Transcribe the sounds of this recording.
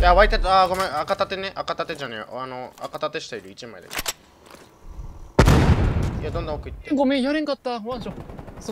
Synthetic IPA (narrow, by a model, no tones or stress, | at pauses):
jaβait̪et̪aɡomẽakat̪at̪eneʔakat̪at̪ed͡ʑaneanoa̰kat̪at̪e̞ɕi̥t̪eiɾɯ̟it͡ɕimaid̪ḛk | ijad̪ond̪õokɯiŋɡomejaɾẽŋkat̪ːaβãɕoso